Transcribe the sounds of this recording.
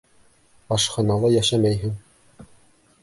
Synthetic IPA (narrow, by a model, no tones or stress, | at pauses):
ɑʃχɑnɑlˠɑjæʃæmæjɦɘŋ